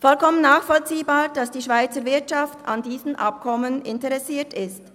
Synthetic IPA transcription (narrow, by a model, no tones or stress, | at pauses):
fɔlkʰɔmənːaːxfɔlt͡siːbaːʁd̥asd̥iːʃv̥aɪt͡səɾvɪɐtʃaftʰa̰ndiːzn̩ʔa̰p̚kʰɔmənɪntɛʁɛsiːɐtɪst